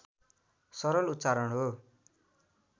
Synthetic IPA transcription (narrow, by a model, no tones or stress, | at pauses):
sʌɾʌlut̪t͡saɾʌɳɦo